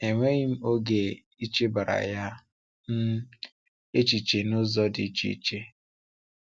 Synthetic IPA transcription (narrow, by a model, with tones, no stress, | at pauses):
e˨ŋʷe˦ɣɪ˦m̩˦o˦ɡe˨ | i˦t͡ʃe˦ba˨ɾa̰˨ja˦ | n̩˦ | e˦t͡ʃi˨t͡ʃe˨nʊ˦zɔ˦dɪ̰˨˦t͡ʃḭ˦i˦t͡ʃe˦